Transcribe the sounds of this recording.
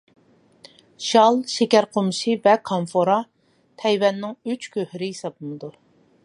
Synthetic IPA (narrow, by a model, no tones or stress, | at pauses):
ʃɑlˠʃekʲæɾqʰomʃivɛkʰɑnfoɾɑ | t̪ʰɛjwɛnːɪŋyt͡ʃkʲʰøhɾɪjisɑbˠɨmɨd̪u